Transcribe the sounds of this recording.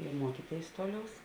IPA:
ɪ ˈmuɔkʲiːˌtʲeːɪs ˈtoːˌlʲɛʊs

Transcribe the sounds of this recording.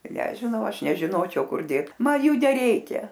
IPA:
nʲɛʒʲɪˈnɐʊ ˈɐʃ nʲɛʒʲɪˈnoːt͡ʃʲɛʊ ˈkʊr ˈdʲeːt ˈmɐn ˈjuː nʲɛˈrʲɛɪkʲɛ

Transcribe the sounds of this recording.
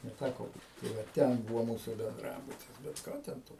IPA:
nʲɛˈtʲækoː ˈbuːt tɐɪ ˈʋɐ ˈtʲɛn ˈbʊʋoː ˈmuːsuː bʲɛnˈdrɑːbʊtʲɪs bʲɛt ˈkɑː tʲɛn ˈtoː

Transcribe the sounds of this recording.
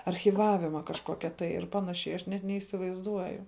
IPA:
ɐrʲxʲiːˈʋɑːʋʲɪmɐ kɐʃˈkoːkʲɛ tɐɪ ɪr ˈpɑːnɐʃʲɛɪ ɐʃ ˈnʲɛt nʲɛiːsʲɪʋɐɪzˈduɔjʊ

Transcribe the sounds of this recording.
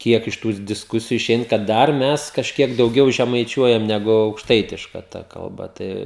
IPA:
ˈkʲiɛk ɪʃ ˈtuːs dʲɪsˈkʊsʲɪjʊ ɪˈʃʲɛɪn kɐt ˈdɐr ˈmʲɛs kɐʃʲˈkʲiɛk dɐʊˈɡʲɛʊ ʒʲɛmɐɪˈt͡ʃʲuɔjɛm nʲɛˈɡʊ ɐʊkʃˈtɐɪtʲɪʃkɐ ˈtɐ kɐlˠˈbɐ ˈtɐɪ

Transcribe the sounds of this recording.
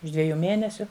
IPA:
ʊʃ ˈdʲʋʲæːjuː ˈmʲeːnʲɛsʲʊ

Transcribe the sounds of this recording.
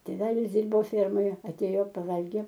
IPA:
tʲeːˈʋʲæːlʲɪs ˈdʲɪrboː ˈfʲɛrmoːjɛ ɐˈtʲeːjoː pɐˈʋɐlʲɡʲeː

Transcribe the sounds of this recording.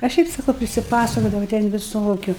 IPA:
ɐ ˈʃʲɛɪp sɐˈkɐʊ pʲrʲɪsʲɪˈpɑːsɐkoːdɐʋɐ tʲɛn ʋʲɪˈsoːkʲʊ

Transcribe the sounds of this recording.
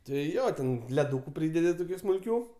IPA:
tʲɪ ˈjoː tʲɛn lʲɛˈduːkʊ ˈpʲrʲiːdʲɛdʲɪ toːˈkʲuː smʊlʲˈkʲuː

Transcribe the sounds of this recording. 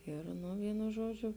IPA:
ˈɪr nʊ ˈʋʲiːnʊ ˈʒuɔd͡ʒʲʊ

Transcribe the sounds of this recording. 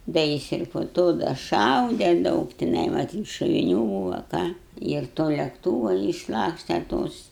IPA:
ˈdɐ jɪs ɪr poː ˈtoː dɐ ˈʃɐʊdʲɛ ˈdɐʊk tʲɪˈnɐɪ mɐˈtʲiːt ʃoːʋʲɪˈnʲʊ ˈbuːʋɐ ˈkɑː ɪr ˈtoː lʲɛkˈtuːʋɐ ɪʃˈlˠɑːksʲtʲeː ˈtoːs

